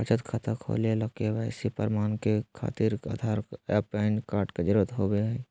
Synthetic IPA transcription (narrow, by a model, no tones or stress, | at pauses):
pət͡ʃət̪kʰat̪əkʰo̰ːlelɐkeʋɛːsipəɾmaːnkekʰa̰ːt̪iɾa̰d̪ʱaːɾɛpaːɪnɖkaːɾʈked͡ʒɪɾət̪ɦoːbeɛ